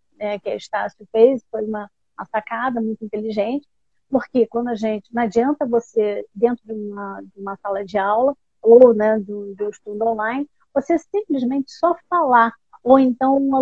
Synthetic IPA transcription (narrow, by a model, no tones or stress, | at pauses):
nɛkɪɐiʃt̪asjufejzfojũmɐ | mɐsakad̪ɐmũj̃t̪ʊĩt̪eliʒẽnt͡ʃɪ̥ | poɾkekwɐ̃nd̪ʊɐʒẽnt͡ʃɪnad͡ʒiɐ̃nt̪ɐvosed̪ẽnt̪ɾʊd͡ʒɪũmɐd͡ʒɪũmɐsalɐd͡ʒɪawlɐ | ownɛd̪ũd͡ʒũɪʃt̪ũd̪ʊõlajn | vosesĩplɪzmẽnt͡ʃɪ̥sɔfala | owẽnt̪ɐ̃w̃ũmɐ